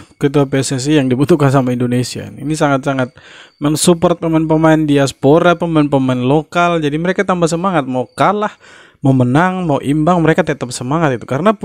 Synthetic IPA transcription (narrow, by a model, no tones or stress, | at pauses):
kət̪uapesɛs̬ijaŋdibut̪ukansamaindonesia̰ninisaŋat̪̚saŋat̪̚məŋsupɔrt̪̚pəmaɪnp̬əmaɪndiaspoɾapəmaɪnpəmaɪnlokald͡ʒadiməɾekat̪ambahs̬əmaŋat̪̚makalah | mawmənaŋmawʔimbaŋməɾekat̪ɛt̪əp̚səmaŋat̪it̪u̥kaɾənap